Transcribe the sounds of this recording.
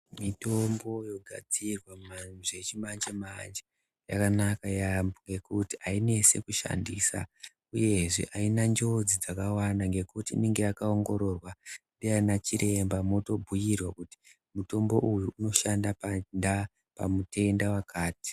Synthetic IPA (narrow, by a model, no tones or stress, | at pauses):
mito̞mbo̞jo̞ɡʱad͡zirwaaʐet͡ʃimand͡ʒemand͡ʒe | jakanakajaŋɡe̞kutiaine̞se̞̰kuʃa̰ndiːsa̰ | uje̞ʐḛʔainand͡ʒo̞d͡zid͡zakawanaŋɡe̞kutḭːneŋɡe̞jakaoŋɡo̞ɾo̞rwadiainat͡ʃiɾʔe̞mbamo̞to̞bʱujirwakuti̥ | muto̞mbo̞ʔujuːno̞ʃandapnda | pa̰mute̞ndawakʰaːti̥